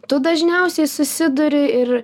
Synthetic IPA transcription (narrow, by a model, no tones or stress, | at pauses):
t̪ʊd̪ɐʒʲnʲɛʊsʲɛɪsʊsʲɪd̪ʊɾʲɪɪr